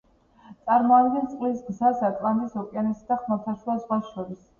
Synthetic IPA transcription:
t̪sʼaɾmɔad̪ɡɛnt̪sʼqʼlisɡzasakʼlanisɔkʼianɛsad̪aχmat̪ʰaʃwulˠazʁwasʃɔɾis

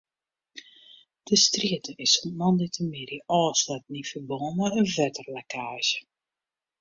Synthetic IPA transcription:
d̥əstriətəʔɪsɔmnɑnditəmɪɾiʔɔːslat̚nifəboːnəəvɛtərlakaːʒə

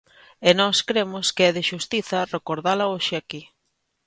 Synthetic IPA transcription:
enɔskɾemʊskɪɛðɪʃust̪iθɐrekoɾðalɐoʃɪaki

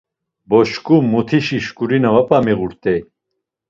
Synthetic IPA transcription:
bɔʃkʼumːut̪ʰiʃiʃkʼuɾinavapʼamiʁuɾt̪ʼɛj

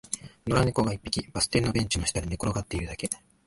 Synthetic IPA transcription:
no̞ɾaniko̞ɡaipːi̥kʲib̥asɨ̥t̪e̞ɾɯno̞bẽ̞ɲ̟t͡ɕinoɕi̥t̪aɾʲinekoɾo̞ɡat̪ːe̞iɾɯd̪ake̞

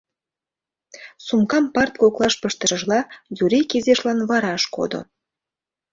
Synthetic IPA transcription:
sumkɑmpɑrt̪koklɑʃpəʃt̪əɾəʒlɑjuɾikizeʃlɑnβɑɾɑʃko̰d̪o̰

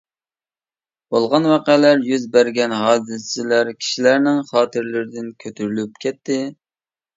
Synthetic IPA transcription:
b̥olˠʁɑnwɑqælæɾjyzbæɾɡʲɛnɦɑːzɨssɪlæɾkʲʰi̥ʃilæɾnɪŋχɑːt̪ʰɨɾlɪɾɪd̪ɪnkʲʰøt̪ʰyɾylypkʲʰɛt̪ːɪ

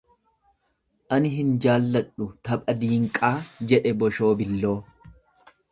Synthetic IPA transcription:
ʔɐnɪɦɪnd͡ʒaːlːɐᶑʊt̪ɐbʼɐd̪iːŋkʼaːd͡ʒɛᶑɛbɔʃo̞ːbɪlːo̞ː

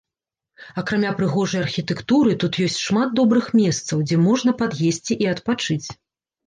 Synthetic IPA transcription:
ɐkɾamʲapɾɨɣɔʐɐjarxʲit̪ɛkt̪uɾɨt̪ut̪jɔsʲt͡sʲʂmad̪̚d̪ɔbɾɨxmʲɛst̪sɐwd͡zʲɛmɔʐnɐpad̪jesʲt͡sʲiʔiɐt̪pat͡ʂɨt͡sʲ

